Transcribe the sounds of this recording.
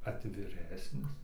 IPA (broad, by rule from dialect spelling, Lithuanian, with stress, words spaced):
ɐtʲʋʲɪˈrʲæːsʲnʲɪs